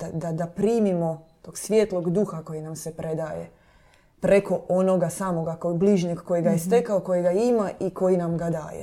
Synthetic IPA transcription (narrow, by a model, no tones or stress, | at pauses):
ad̪ad̪apɾiːmimo̞t̪o̞ɡsʋjeːt̪lˠo̞ɡd̪uxako̞jinamsepɾed̪aːjḛ | pɾeko̞ʔo̞noɡasaːmo̞ɡakobliʒɲeɡko̞jiɡajest̪e̞kaoko̞jeɡaimaʔiko̞jinamɡad̪a̰ːjḛ